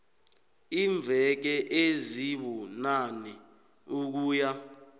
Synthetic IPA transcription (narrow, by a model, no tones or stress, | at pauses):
iɱvʱɛk̬ɛʔeziɓunanɛ | uk̬uːja